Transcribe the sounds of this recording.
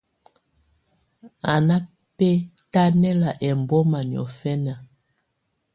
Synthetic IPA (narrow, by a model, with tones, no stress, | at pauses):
a˨na˦ | pɛ˦ta˦nɛ˦la˨ʔɛ˨m˨bɔ˦ma˨ni˨ɔ̰˨fɛ˦na˨